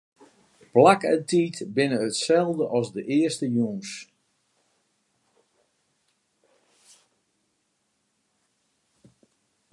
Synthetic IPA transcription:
plakəntitbɪnəətsɛlˠvdəʔɑsdəʔɪəstəjuːns

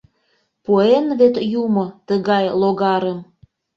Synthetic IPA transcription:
poenβet̪jumot̪əɣɑjloɣɑɾəm

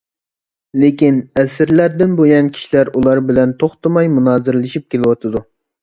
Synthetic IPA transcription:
lekʲinɛsɪɾlæɾd̪ɪnbojɑnkʲʰi̥ʃilæɾulˠɑɾbɪlɛnt̪ʰoχt̪ɨmɑjmunɑːzɨɾlˠɪʃip̚kʲʰelɪwɑt̪ʰɨd̪u

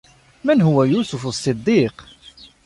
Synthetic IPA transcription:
mænɦuwæjusufsˤːɨd̪ˤːiq

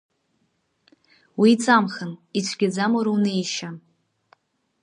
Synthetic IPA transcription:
wiːt͡sʼamχənit͡sʷʰɡʲɪd͡zamoɾawnejʃa

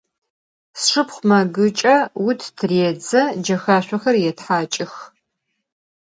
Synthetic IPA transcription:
sʂɨpχʷmɐɡɨt͡ʃʼɐwʊtʰtʰreːd͡zɐd͡ʒɐxaːɕʷɔxɐrjɛtħaːt͡ʃʼɪx

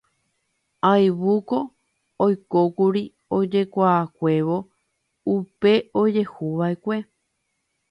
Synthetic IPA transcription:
ajβukoː | jkokuɾi | od͡ʒe̞kʷaːkʷe̞ʋo | upe̞od͡ʒe̞huʋaekʷe̞

